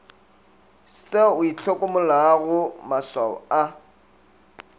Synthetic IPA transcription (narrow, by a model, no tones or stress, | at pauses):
seʊit͡ɬʰokʼʊmʊlaɣʊmaswaɔ̰a